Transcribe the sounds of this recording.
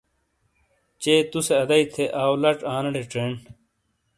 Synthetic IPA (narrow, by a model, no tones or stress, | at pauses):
t͡ɕeːt̪useɐd̪ɐit̪ʰeʔaːwlɐʈãːnɐɽeʈeːɳ